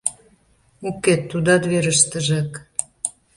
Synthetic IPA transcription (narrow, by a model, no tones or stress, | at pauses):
ukːet̪ːud̪ɑt̪βeɾəʃt̪əʒek